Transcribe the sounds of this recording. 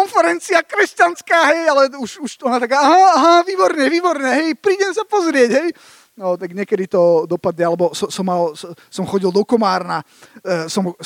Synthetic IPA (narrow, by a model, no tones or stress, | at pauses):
ɔnfɛɾɛnt͡siakɾɛscanskaːɦɛjalɛuʃuʃɔnat̪akaːaɦaaɦaʋiːbɔɾɲɛʋiːbɔɾɲɛɦɛjpɾiːɟɛmsapɔzɾɪɛɟɦɛj | nɔt̪aɡɲɛkɛd̪it̪ɔd̪ɔpad̪ɲɛalɛbɔsɔsɔmːals | sɔmxɔɟilˠd̪ɔkɔmaːɾna | sɔm